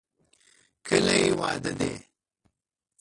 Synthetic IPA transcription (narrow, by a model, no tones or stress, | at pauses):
kʰəlajiwa̰ːd̪ɐd̪ḛː